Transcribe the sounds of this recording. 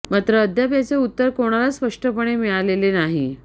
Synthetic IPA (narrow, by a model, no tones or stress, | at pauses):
mat̪ɾəːd̪ʱjapjat͡seut̪ːəɾkoɽ̃alaspəʂʈəpəɽ̃emiɭalelenaɦḭ